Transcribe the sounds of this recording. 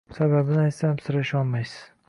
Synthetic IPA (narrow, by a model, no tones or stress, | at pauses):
sababɪnɪajt̪samsɪɾaɪʃɒlˠmajsɪz̥